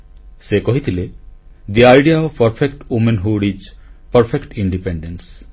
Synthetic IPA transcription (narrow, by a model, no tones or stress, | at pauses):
sekɔɦit̪ʰiled̪iajɖiaɔʋpɐɾfʰekʈumenɦuɖid͡ʒpɐɾfʰekʈiɳɖipeɳɖens